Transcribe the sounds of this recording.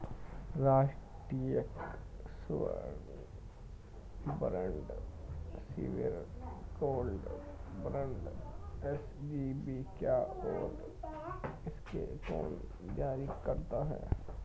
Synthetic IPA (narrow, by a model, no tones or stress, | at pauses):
ɾaːʃʈɾijəks | bɾə̃ɳɖ | sḭʋɪ̰ɾkoːlɖ | bɾə̃ɳɖɛs | d͡ʒibikjaːɔːɾ | ɪskḛkɔ̰ːn | d͡ʒaːɾikɐɾt̪aɦɛ̰ː